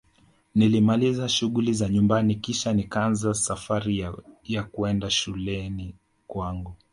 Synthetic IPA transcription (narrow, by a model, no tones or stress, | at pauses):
nilimalizaʃuɣulizaɲumbanikiʃanikanzasafaɾijakuɛndaʃulɛni | kwaŋɡu